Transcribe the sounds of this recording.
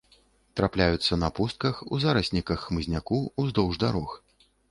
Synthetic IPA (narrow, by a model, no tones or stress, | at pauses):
t̪ɾaplʲajut̪sːɐnɐpust̪̚kɐxuzaɾɐsʲnʲikɐxːmɨzʲnʲakuuzd̪ɔwʐd̪aɾɔx